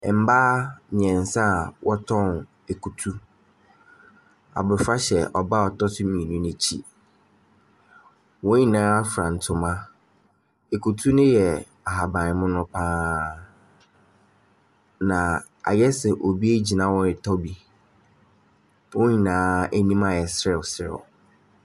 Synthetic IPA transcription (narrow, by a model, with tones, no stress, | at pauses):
m̩˦baː˦mɪ̃˨ɛ̃˨n˨sã˦˨wɔ˦tʰɔ̃˦n | e˨kʰu˨tʰu˦ | a̰˨bʊ˨ɾfa˦ɕɛ˨ʔɔ˨ba˦ɔ˨tɔ˦sʊ˦mĩ˨i˨nʊ̃˦nɪ̃˨t͡ɕʰḭ˦ | wɔ̃˦ɲĩ˦nãː˦fɾã˨n̩˨tʰʊ̃˨mã˦ | e˨kʰu˨tʰu˦nʊ̃˦jɛ˨ | a˨ɦa˨bã˨nɪ˨˦mʊ̃˦nʊ̃˦pʰãː˦ | nã˨ | a̰˨jɛ˦sɛ˨ʔo˨bi˦e˦d͡ʑi˨nã˦wɔ̃˦ɪ˨tʰɔ˦bi˨ | wɔ̃˦ɲĩ˨nãː˨˦æ˦nĩ˦mã˨jɛ˨sɾɪ˨ɔ˨sɾɪ̰˨ɔ̰˨